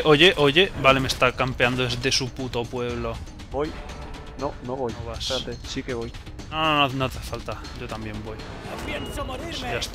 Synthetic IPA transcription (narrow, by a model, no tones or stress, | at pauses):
ʔoʝeʔoʝe̞balemest̪akampeand̪oezd̪esuput̪o̞pwe̞β̞lo̞ | boj | nonoβojoβast̪esikeβoj | nonononot̪efalt̪a | ɟ͡ʝo̞t̪ambje̞mbo̞j | sast̪